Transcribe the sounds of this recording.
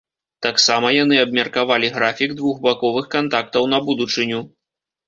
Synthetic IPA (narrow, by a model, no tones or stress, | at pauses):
t̪aksamɐjanɨɐb̚mʲɐrkavalʲiɣɾafʲiɡd̪vuɣbakɔvɨxkant̪ak̚t̪ɐwn̪ɐbud̪ut͡ʂɨnʲu